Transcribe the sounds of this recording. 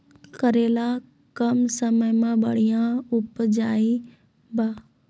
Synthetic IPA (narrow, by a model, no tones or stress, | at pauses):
kəɾeːla | kəmsəməjmãbə̰ɽ̤ijãʊpd͡ʒaːi | baː